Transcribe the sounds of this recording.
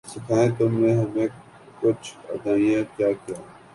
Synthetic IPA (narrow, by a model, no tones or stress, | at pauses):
sɪkʰaːẽːt̪oːmɛ̃ːɦəmẽː | kʊt͡ʃʰə̰d̪aːijãːkjaːkijãː